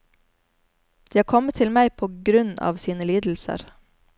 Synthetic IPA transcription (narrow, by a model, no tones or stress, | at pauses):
d̪̥iːɑːɾkʰɔmət̪ʰɪlmæɪpʰoːɡɾʉnɑ̰ːʋsiːnəliːd̪l̩sə̰ɾ